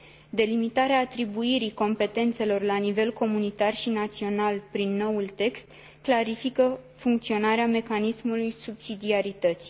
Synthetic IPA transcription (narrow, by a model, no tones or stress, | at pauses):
d̪e̞limit̪aɾeaːt̪ɾibuiɾiko̞mpe̞t̪e̞nt̪se̞lo̞rlanive̞lko̞munit̪arʃinat̪sio̞nalpɾinːo̞wult̪e̞kst̪ | klaɾifikəfuŋk̚t̪sio̞naɾeame̞kanismulujsubsid̪iaɾit̪ət̪s